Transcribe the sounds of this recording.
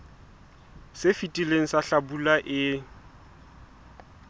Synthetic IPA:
sefitʼileŋ̩saɬabulaʔɪ

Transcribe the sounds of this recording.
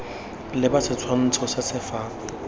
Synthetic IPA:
lɪbasɪt͡sʰwan̩t͡sʰɔsɪsɪfaː

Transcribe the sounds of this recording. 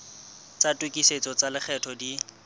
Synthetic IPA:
t͡satʼwekʼiset͡sɔt͡salɪk͡xʰɛtʰɔdi

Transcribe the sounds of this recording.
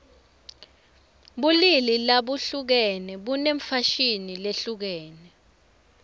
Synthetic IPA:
ɓulililaɓuɬuk̬ɛnɛɓuneɱfaʃinileɬuk̬ɛːnɛ

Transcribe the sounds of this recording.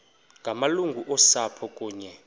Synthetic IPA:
ŋɡʱamaluŋɡʱuʔɔsapʰɔkʼuːɲɛ

